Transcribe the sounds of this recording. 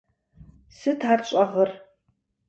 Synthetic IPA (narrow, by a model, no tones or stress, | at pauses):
sɨtʰaːrɕʼɐʁər